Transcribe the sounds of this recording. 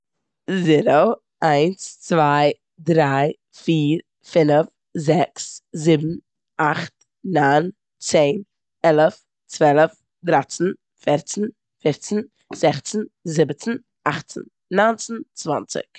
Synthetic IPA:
ziɾo | aɪnst͡svaɪ | dɾaɪ | fiːɾ | fɪnəf | zɛkszɪbm̩ | aχt̚ | naɪn | t͡seɪn | ɛlˠəf | t͡svɛlˠəf | dɾat͡sn̩ | fɛɾt͡sn̩ | fɪɾt͡sn̩ | z̥ɛχt͡sn̩zɪbət͡sn̩ | aχt͡sn̩ | nant͡sn̩t͡sva̰nt͡sɪ̰k

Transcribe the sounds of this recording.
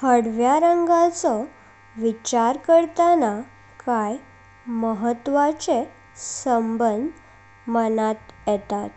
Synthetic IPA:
həɽʋjaɾəŋɡat͡sɔ | ʋit͡ɕaɾkəɽt̪ana | kaj | məɦət̪ʋat͡se | səmbənd̪ʱ | mənat̪jɛt̪at̪

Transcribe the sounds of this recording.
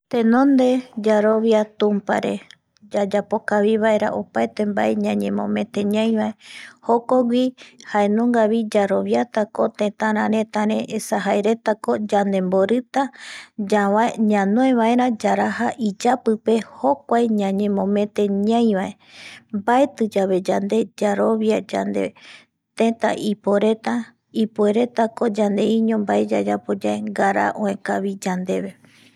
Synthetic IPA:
t̪ẽ̞nõ̞nd̪e̞d͡ʒaɾoβjat̪ũmpa̰ɾe̞̰ | d͡ʒad͡ʒapo̞kaβiβae̞ɾa̰ʔopaet̪e̞mba̰eɲãɲẽmõ̰mẽ̞t̪e̞ɲãj̃βaehokoɡʷihae̞nõŋɡaβid͡ʒaɾo̞βjat̪ako̞t̪ẽ̞t̪ãɾ̃ãɾẽ̞t̪ãɾẽʔesaɦaeɾe̞t̪ako̞d͡ʒand̪ẽ̞mboɾɨt̪ad͡ʒawaɲãnõẽβae̞ɾãd͡ʒaɾaɦaʔid͡ʒapɨpe̞ho̞kʷajɲãɲẽ̞mõ̞mẽ̞t̪e̞ɲãj̃βae | mbaet̪ɨd͡ʒaβe̞d͡ʒand̪e̞d͡ʒaɾo̞βjad͡ʒa̰nd̪e | t̪ẽt̪a̰ʔipoɾe̞t̪a | ipue̞ɾe̞t̪ako̞d͡ʒand̪e̞iɲõ̞mbaed͡ʒad͡ʒapo̞d͡ʒaeŋɡaɾa̰ʔõẽkaβid͡ʒand̪e̞βe̞

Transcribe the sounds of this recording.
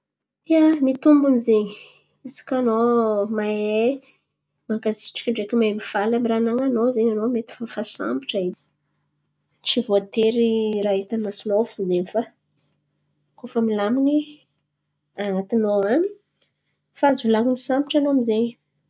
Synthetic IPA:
iamit̪umbunizeɲi̥ | isi̥kʲanomae | makasi̥ʈ͡ʂḁkʲiɖ͡ʐekʲimaemifalamiranaŋanozeɲanomet̪i̥fafasa̰mbiʈ͡ʂai | t͡sivoat̪eɾirait̪anmasinofud̪enifa | kofəmilamini | anat̪inoani | fazvulakunisambiʈ͡ʂanoamizeɲ

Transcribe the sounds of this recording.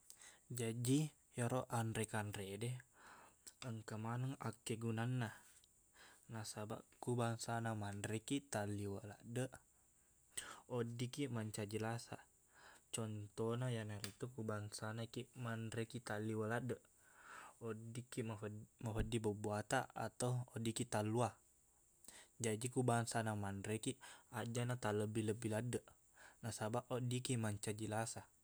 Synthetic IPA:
d͡ʒadi | jaɾoʔanɾɛkanɾedɛ | əŋkamanəŋakːɛɡunanːa | nasaba̰ʔkubaŋsanamanɾɛkit̪aliwala̰dəʔ | odikiʔmaɲt͡ʃad͡ʒəlasa̰ | t͡ʃɔnt̪ɔnajanaɾit̪ukubaŋsanakimanɾɛkit̪aliwəladəʔ | odikimaɦəmaɦədibəbuat̪aa̰t̪auodikit̪alua | d͡ʒad͡ʒikubaŋsanamanɾɛkiad͡ʒanat̪aləbiləbiladəʔ | nasabaʔʔodikimaɲt͡ʃad͡ʒəlasa

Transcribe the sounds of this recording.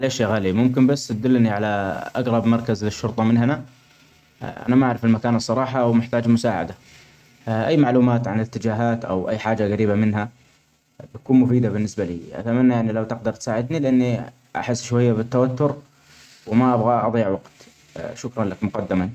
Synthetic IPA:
alaʃeɣaːlimʊmkɪnbasːt̪d̪ʊlːniʕalaʔaɡɾˤɑbmɑɾˤkazlɪʃːʊɾt̪ˤɑmɪnhana | ʔa̰namaʔaʕɾɪfɪlmakaːnɨsˤːɑɾˤɑːħɑwmɪħt̪aːd͡ʒmʊsaːʕa̰d̪a | ʔajːmaʕluːmaːt̪ʕanɪt̪ːɪd͡ʒaːɦaːt̪ʔa̰wʔajːħaːd͡ʒaɣaɾiːbamɪnɦa | b̪akuːnmʊfiːd̪abɪnːɪsbalḭːʔa̰t̪amanːajaanilawt̪ɪqd̪ɑɾˤt̪saːʕɪd̪nilʔanːi | ʔa̰ħɪsːʃwajːabɪt̪ːawat̪ːʊɾ | wmaʔabɣaʔɑd̪ˤijːɪʕwɑɡt̪ | ʃʊkɾˤɑnlakmʊqɑd̪ːɪmani

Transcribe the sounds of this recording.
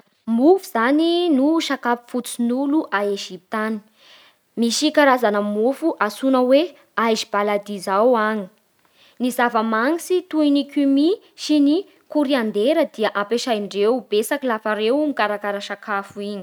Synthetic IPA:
mufiz̥aninuʃakapi̥fut͡sinuluʔaeʒip̚t̪ani̥ | miʃikaɾazanəmufuʔasunəwe | ajʒib̥alad̪izawaŋi̥ | nizavəmaŋisit̪uinikumi | ʃini | kuɾiand̪eɾəd̪iəʔãmpeʃajɳɖ͡ʐewbesakilafaɾewmikaɾakaɾaʃakafuiɲi̥

